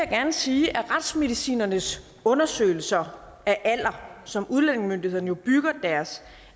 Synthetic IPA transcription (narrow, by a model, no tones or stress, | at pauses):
ejaɡ̥æɐnəsiːʔæʁɑd̥sme̝ðˠisḭːnɐnəs | ɔ̽nɐsø̰ɪl̩sɐ | ʔæʔæl̰ɐsɒ̽muð̞ˠlen̰e̝ŋmønd̥ihe̝ð̰ˠn̩jo̝b̥yɡ̥ɐd̥æɐs